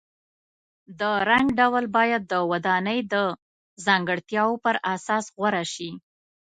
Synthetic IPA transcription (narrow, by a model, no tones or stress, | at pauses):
d̪əɾaŋɡɖawlbɑjad̪̚ːəwad̪ɑnəjd̪ə | zɑŋɡəɽt̪jɑwopəɾʔasɑsɣwaɾaʃi